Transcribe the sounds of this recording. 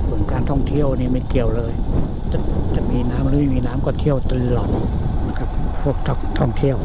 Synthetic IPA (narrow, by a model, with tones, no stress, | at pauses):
su˨˩˦nkaː˧nt̪ʰɔ˥˩ŋt̪ʰi˥˩əwniː˥˩maː˧˩ki˨˩əwlɤː˧j | t̪ɛ˧˩t̪ɛ˨˩miː˧naː˦˥mɾɯː˦ma˥˩miː˧naː˦˥mkɔː˥˩t̪ʰi˥˩əwt̪ɯ˧lɔ˨˩n̚na˧˥˩kʰa˦˥p̚pʰu˥˩ək̚t̪ʰɔ˥˩t̪ʰɔ˥˩ŋt̪ʰi˥˩əw